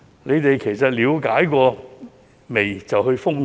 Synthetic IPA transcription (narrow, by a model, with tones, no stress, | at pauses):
le˨˧jt̪e˨jkʰe˨˩jsɐ˨t̚liː˨˧wkaː˨˥jkʷɔː˧ | me˨˩jt͡sɐ˨whɵ˧ɥfʊ˥ŋ